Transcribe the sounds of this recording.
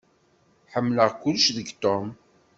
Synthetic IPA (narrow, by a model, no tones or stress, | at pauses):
ħəmːləʁkʊlʃðəɡt̪om